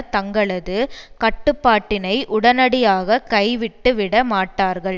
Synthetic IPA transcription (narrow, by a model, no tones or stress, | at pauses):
t̪ɐŋɡɐɭɐðɯkɐʈːɯpːaːʈːɪnɐɪʔʊɽɐnɐɽɪjaːɣɐkɐɪʋɪʈːɯʋɪɽɐmaːʈːaːɾɣɐɭ